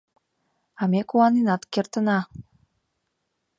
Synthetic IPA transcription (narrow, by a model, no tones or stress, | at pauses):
ɑmekuɑninɑt̪kert̪ə̆nɑ